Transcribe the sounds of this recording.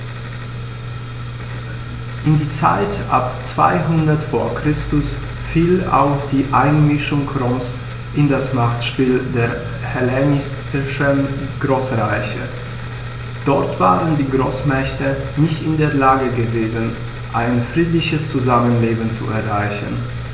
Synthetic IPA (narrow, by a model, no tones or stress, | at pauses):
ʔɪndiːt͡sa̰ɪtʔa̰pt͡sv̥a̰ɪɦʊndɐtfoːɐkʁ̥ɪstʊs | fiːla̰ʊxd̥iːʔaɪnmɪʃʊŋkʰʁɔms | ʔɪndasmaχtʃpiːldeːɐ | hɛlɛnɪs | ɪʃənɡ̥ʁoːsʁaɪçə̰ | d̥ɔɐtv̥a̰ːʁəndiːɡʁoːsmɛçtənɪçtɪndeːɐlaːɡəɡəveːzən | ʔaɪnfʁ̥iːtlɪçəst͡suzamənleːbn̩t͡sṵʔɛɐʁaɪçn̩